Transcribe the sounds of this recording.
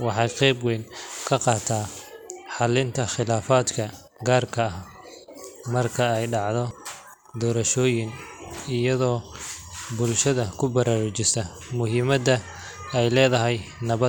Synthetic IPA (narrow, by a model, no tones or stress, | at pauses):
wɑħɑjqɛjbwɛjnkʰɐqɑːt̪ʰaːħɑlɪnt̪ʰɐχɪlaːfaːd̪kʰɐ | ɡaːrkʰɐːh | mɐrkʰɐɛjɖɑʕðɔ | d̪ɔːɾɐʃɔːjɪnɪjɐðɔː | bʊlʃɐðɐkʰʊbɐɾʔaːɾʊt͡ʃɪsɐ | mʊɦɪːmɐd̪ɐ | ɛjlɛːðɐɦɛjnɐβɐ